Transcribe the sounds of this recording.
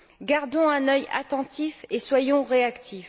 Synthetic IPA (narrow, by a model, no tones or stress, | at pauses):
ɡaʁd̪ɔ̃ɛ̃nœja̰t̪ɑ̃t̪ifeswajɔ̃ʁeakt̪ʰif